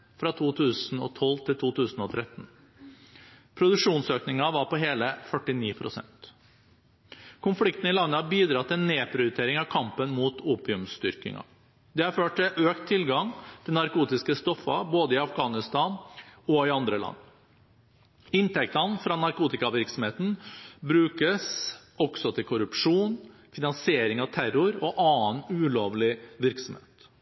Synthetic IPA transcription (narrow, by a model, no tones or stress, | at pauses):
fɾɑt̪ʰuːt̪ʰʉːsn̩ɔ̰t̪ʰɔlt̪ʰɪlt̪ʰuːt̪ʰʉːsn̩ɔt̪ʰɾɛt̪n̩ | pʰɾʊd̪ʉʂuːnsøːknɪŋɑʋɑɾpɔɦeːləfœʈːɪniːpʰɾʊsɛ̰nt̪ | kʰʊnflɪkt̪ən̩ɪlɑnːəhɑbiːd̪ɾɑt̪ɪɛneːpʰɾʊjʉt̪ʰeːɾɪŋɑʋkʰɑmpənmuːt̪uːpɪʉmst̪ʏɾkɪ̰ŋɑ̰ | d̪ɛhɑɾføːʈ̚ɪʔøːkt̪ʰːɪlɡɑŋt̪ʰɪlnɑɾkuːt̪ɪskəst̪ɔfːɑ̰boːd̪əɪɑfɡɑːnɪst̪ɑːnɔɪɑnd̪ɾəlɑ̰nː | ɪnt̪ɛk̚t̪ɑnfɾɑnɑɾkuːt̪ɪkɑʋɪɾksɔm̩heːt̪n̩bɾʉːkəs | ɔɡsɔt̪ʰɪlkʰʊɾʉpʂuːn | fɪnɑnsɪeːɾɪŋɑʋt̪ʰæɾʊɾɔʔɑːənʉːloːʋlɪʋɪɾksɔmhḛːt̪